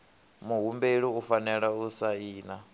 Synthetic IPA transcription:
muɦumbeɺiufanɛɺausaiːna

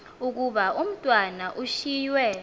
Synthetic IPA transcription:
uk̬uɓaum̩tʼwanaʔuʃiːjwɛ

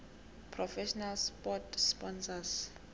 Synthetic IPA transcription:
pʰrɔfɛʃɔnalspɔtspɔnsas

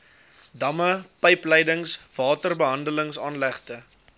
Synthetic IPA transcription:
dɐməpəjplɛjdəŋsv̥ɑːtərbəɦɐndələŋsɑːnlæχtə

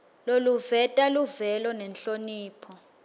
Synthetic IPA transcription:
loluvɛtʼaluvɛlɔnɛnɬoniːpʰɔ

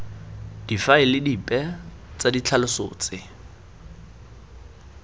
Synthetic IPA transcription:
d̥ifaɪlɪdipʼɛt͡sʼadit͡ɬʰalʊso̰ːt͡sʼɪ

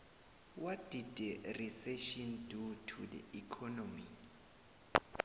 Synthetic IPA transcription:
wad̥idɛrisɛʃɔndutʰudɛ̰ikʰɔnɔmḭ

